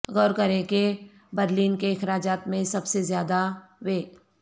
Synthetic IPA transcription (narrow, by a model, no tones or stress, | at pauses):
ɣɔːɾkɐɾẽke | bəɾliːnkeɪxɾaːd͡ʒaːt̪mẽsɐbsezjaːd̪aweːk